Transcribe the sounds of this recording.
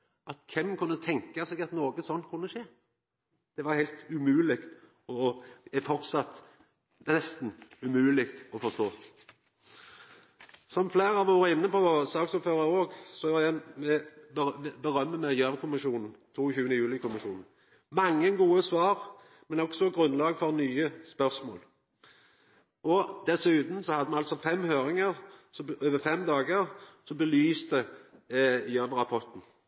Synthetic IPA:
ʔɑt̪kʰɛmkʰʉnːət̪ʰɛŋkəsɛːɡɑt̪noːɡəsɔnːkʰʉnːəʂeː | d̪̥ɛʋɑɾhæɪlt̪ʉmʉːlɪkt̪ | ɔɛfɔʁt̪sɑt̪ | nɛst̪n̩ʉmʉːlɪkt̪ɔfɔst̪oː | sɔmfleːɾɑʋoːɾɪnːəpɔsɑːksɔmføːɾəoːɡsɔɑjæmɛ | bəɾœmːəmæjøːʋkʰʊmɪʃuːnn̩t̪ʰuːçʉːənəjʉːlɪkʰʊmɪʃuːnn̩ | mɑŋːənɡuːəsʋɑːʁ | mɛnɔɡ̥sɔɡɾʁʉnlɑːɡfɔʁnyːəspœʁsmo̰ːl | ɔd̪̥ɛsʉːt̪n̩sɔhɑd̪əmɛɑlt̪sɔfɛmːhøːɾɪŋəʁsɔøːʋəfɛmd̪ɑːɡəɾsɔbəlyːst̪ə | jøːʋəɾɑpʰɔt̪n̩

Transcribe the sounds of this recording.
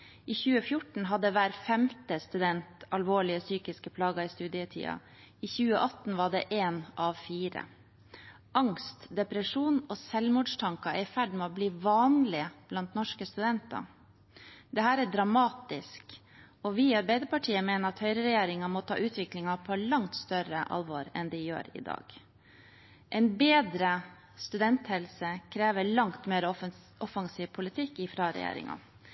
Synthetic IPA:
ʔiːçʉːəfjʊʈɳ̩ɦɑd̪ːəʋæːɾfɛmt̪əst̪ʉd̪ɛnt̪ɑlʋoːɭɪəsyːkɪskəpʰlɑːɡɑɪst̪ʉːd̪ɪət̪ʰḭːɑ̰ | içʉːəʔɑt̪n̩ʋɑɖɛʔeːnʔɑʋfiːɾə̰ | ʔɑŋst̪d̪ɛpɾəʂuːnɔːsɛlmuːɖʂt̪ʰɑŋkɑæɾɪfæɖmɛɔbliːʋɑːnlɪəb̥lɑnt̪nɔʂkəst̪ʉd̪ɛnt̪ɑ̰ | d̪ɛɦæːɾæɖɾɑmɑːt̪ɪsk | ɔʋɪɑɾbæɪd̪əpɑʈʰiːəmeːnəɾɑt̪hœʏɾəɾɛjeːɾɪŋɑmɔt̪ʰɑ̰ːʔʉːt̪ʰʋɪklɪŋɑpʰɔlɑŋt̪st̪œɾəʔɑ̰lʋoːɾɛ̰nd̪ɪjø̰ːɾɪ̰d̪ɑ̰ːɡ̥ | ʔɛɪnbeːd̪ɾə | st̪ʉd̪ɛnt̪hɛlsəkʰɾeːʋəɭɑŋt̪meːɾə | ʔɔfɑŋsiːʋpʰʊlɪt̪ʰɪkːɪfɾɑɾɛ̰jḛːɾɪ̰ŋɑ̰

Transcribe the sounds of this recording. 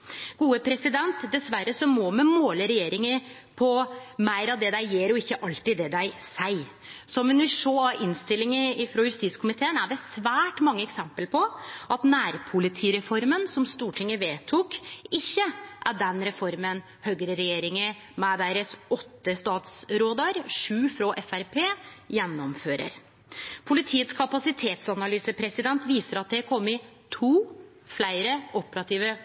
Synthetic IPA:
ɡ̥uːəpʰɾɛsɪd̪ɛnt̪d̪ɛsʋæɾːəsɔmɔmɛmoːləɾɛjeːɾɪŋə | pʰɔmæɪɾɑʋd̪ɛd̪æɪjɛɾɔɪçːəʔɑlt̪ɪd̪ɛd̪æɪsæɪ | sɔmʋɛnʋɪlʂoːɑɾɪnst̪ɪlːɪŋəɪfɾɔjʉst̪iːt̪skʰʊmɪt̪ʰeːənæɖɛsʋæːʈmɑŋːəɛksɛmpəlpʰɔʔɑt̪næːɾpʰʊlɪt̪ʰiːɾɛfɔɾmənsɔmst̪uːʈʰɪŋːəʋeːt̪ʰukɪçːəʔæɖɛnɾɛfɔɾmən | høɡəɾəɾɛjeːɾɪŋə | mɛd̪æɪɾəsɔt̪ːəst̪ɑːt̪sɾoːd̪əɾʂʉːfɾoːʔɛfæɾpʰeːjɛnːɔmføːɾə̰ɾ | pʰʊlɪt̪ʰiːət̪skʰɑpɑsɪt̪ʰeːt̪sɑnɑlyːsəpʰɾɛsɪd̪ɛnt̪ʋiːsəɾɑt̪̚d̪ɛɾkʰɔmːəɪ | t̪ʰuː | flæɪɾəʔɔpəɾɑt̪ʰiːʋə

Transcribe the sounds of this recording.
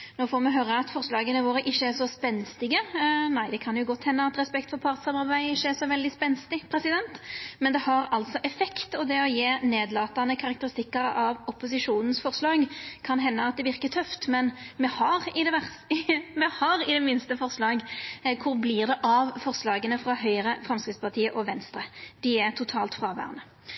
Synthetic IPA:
noːfɔːɾmɛɦøːɾəɑt̪fɔɾslɑːɡənəʋoːɾəʔɪçːəæʂɔspɛnst̪ɪɡənæɪd̪ɛkʰɑnjʊɡɔt̪ːhɛnːəɑt̪ɾɛspɛkt̪fɔɾpʰɑɾt̪sɑmɑɾbæɪɪçːəæɾʂɔʋɛld̪ɪspɛnst̪ɪpʰɾɛsɪd̪ɛnt̪mɛnd̪ɛhɑɾɑlt̪sɔʔɛfɛkt̪ɔd̪ɛɔjeːneːd̪lɑːt̪ɑnəkʰɑɾɑkt̪əɾɪst̪ɪkːəɾɑʋɔpʊs̬ɪʂuːnən̩sfɔɾslɑːɡkʰɑnɦɛnːəɑt̪̚d̪ɛʋɪʁkət̪ʰœft̪mɛnmɛhɑʁɪd̪ɛʋæ | mɛhɑɾɪd̪ɛmɪnst̪əfɔʁslɑːɡkʰʊɾblɪʁd̪ɛʔɑʋfɔʁslɑːɡənəfɾɑɦœʏɾəfɾɑmskɾɪt̪spɑʁt̪ʰiːəʔɔʋɛnst̪ɾəd̪̥ɪɛɾt̪ʰʊt̪ʰɑːlt̪fʁɑːʋæ̰ːʁənə

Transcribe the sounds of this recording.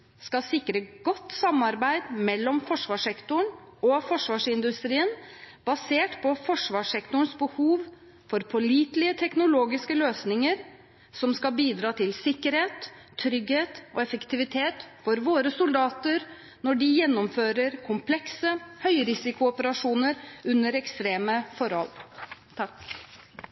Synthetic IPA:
skɑsɪkɾəɡɔt̪ːsɑmɑɾbæɪd̪mɛlːɔmfɔʂʋɑːʂɛkt̪ʊəɳɔfɔʂʋɑːʂɪnd̪ʉst̪ɾiːənb̥ɑseːʈpʰɔfɔʂʋɑːʂɛkt̪ʊəɳsbəhuːʋ | fɔɾpʰɔliːt̪lɪət̪ʰɛknʊloːɡɪskəløːsnɪŋəɾ | sɔmskɑbiːd̪ɾɑːt̪ʰɪlsɪkːəɾheːt̪ʰː | ɾʏɡheːt̪ɔɛfəkt̪ɪʋɪt̪ʰeːt̪fɔɾʋoːɾəsʊld̪ɑːt̪əɾ | nɔɖɪjɛnːɔmføːɾəɾkʰʊmpʰlɛksəhœʏɾɪsɪkʊɔpəɾɑʂuːnəɾʉnːəɾɛkst̪ɾeːməfɔɾhɔ̰lt̪ʰɑk

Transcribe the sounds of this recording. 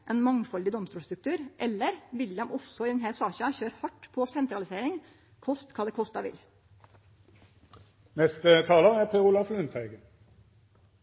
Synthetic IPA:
ʔeːnmɑŋfɔld̪ɪd̪ɔmst̪uːlst̪ɾʉk̚t̪ʰʉːɾʔɛlːəɾʋɪlɑmʔɔsɔɪd̪ɛnɦæɾsɑːçɑçøːɾhɑʈːpʰɔsɛnt̪ɾɑlɪseːɾɪŋ | kʰɔst̪kʰɑːd̪ɛːkʰɔst̪ɑʋɪ̰l | nɛst̪ət̪ʰɑːləæʁpʰeʁʊlɑflʉnt̪ʰæɪɡə

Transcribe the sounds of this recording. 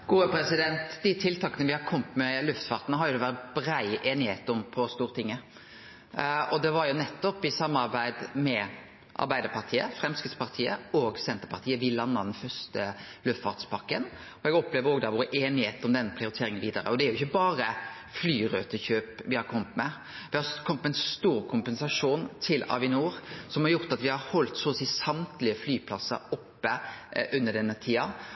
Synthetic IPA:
ɡ̥uːəpɾɛsɪd̪ɛnt̪d̪ɪt̪ʰɪlt̪ʰɑːkənəʋɪhɑɾkʰɔmt̪mɛlʉft̪fɑːɾt̪ənəɦɑɾjʊd̪ɛʋæʁt̪bɾæɪʔeːnɪheːt̪ɔmpʰɔst̪uːɾət̪ʰɪŋːə | ɔd̪ɛʋɑɾjʊnɛt̪ːɔpːɪsɑmːɑɾbæɪd̪mɛ | ʔɑ̰ɾbæɪd̪əɾpɑɾt̪ʰiːə̰fɾɛmskɾɪt̪spʰɑɾt̪ʰiːə̰ɔːɡsɛnt̪əɾpʰɑɾt̪ʰiːəʋɪlɑnːɑd̪ɛnfœʂt̪əlʉft̪fɑ̰ɾt̪spʰɑkːən | ɔɛɡɔpleːʋəɾoːɡd̪ɑːʋoːɾʔeːnɪheːt̪ɔmd̪ɛnːəpʰɾɪʊɾɪt̪ʰeːɾɪŋənʋiːd̪ɑɾə̰ɔd̪ɛæɾjʊɪçːəbɑːɾə | flyːɾøːt̪əɕøːpʋɪhɑɾkʰɔmːət̪mɛ | ʋɪhɑkʰɔmːət̪mɛɛnst̪uːɾkʰʊmpɛnsɑʂuːnt̪ʰɪlɑ̰ːʋɪnuːɾsɔmhɑɾjʊɾt̪ɑt̪ʋɪhɑɾhɔlt̪soːsiːsɑmt̪lɪəflyːpʰlɑsə̰ɾɔpːəʔʉnːəɖ̪ɛnːət̪ʰiːɑ

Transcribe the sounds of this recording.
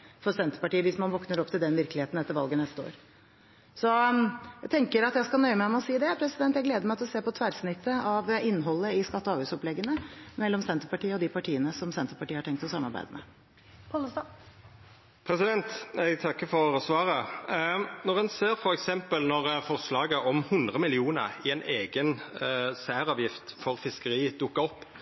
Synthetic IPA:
fɔɾsɛnt̪ə̥pɑʈiːəʋɪsmɑnʋɔknəɾɔpːt̪ʰɪld̪ɛnʋɪɾklɪheːt̪nɛt̪ːəɾʋɑlɡənɛst̪əo̰ːɾ | sɔjæɪt̪ʰɛŋkəɾɑt̪jæɪskɑnœʏəmæɪmɔsiːd̪ɛpʰɾɛsɪd̪ɛnt̪jæɪɡleːd̪əɾmæɪt̪ɪlɔseːpɔt̪ʰʋæɾsnɪt̪ʰːəɑʋɪnːɦɔlːəɪskɑt̪ːɔɑːʋʉːsɔplɛɡːənəmɛlːɔmsɛnt̪əɾpɑʈiːəɔd̪ɪpɑʈʰiːənəsɔmsɛnt̪əɾpɑʈiːəhɑʈɛŋk̚t̪ɔsɑmːɑɾbæ̰ɪd̪əmʔɛ̰ | pʰɑl | pʰɾɛsɪd̪ɛnt̪ɛɡt̪ʰɑkːəfɔoɾəsʋɑːʁə | nɔʁɛnseːɾfɔɾɛksɛmpəlnɔʁfɔʁslɑːɡəʔɔmhʉnd̪ʁəmɪlɪuːnə̰ʁɪɛnʔeːɡənsæːɾɑːʋjɪft̪fɔʁfɪskəʁiːd̪ʊkːəɔpː

